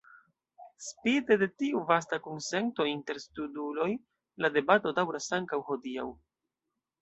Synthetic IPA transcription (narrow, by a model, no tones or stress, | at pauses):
spide̞de̞tiuvastakunse̞nto̞inte̞ɾstudulo̞j | lade̞bato̞dawɾasaŋkawho̞dia̰w